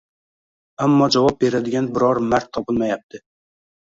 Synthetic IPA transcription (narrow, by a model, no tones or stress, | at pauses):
amːɒd͡ʒavɒp̚be̞ɾad̪ɪɡʲanbɪɾɒɾmaɾt̪ʰːɒpɨlˠmajap̚t̪ʰɪ